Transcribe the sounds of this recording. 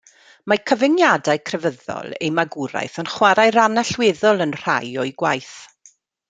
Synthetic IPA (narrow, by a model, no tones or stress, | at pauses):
makʰəvɪnjadaɨkʰrɛvəðɔ̰lˠḛjmaɡʊɾa̰jθənχwaɾajɾanaɬweðɔlˠənr̥a̰jɔjɡwajθ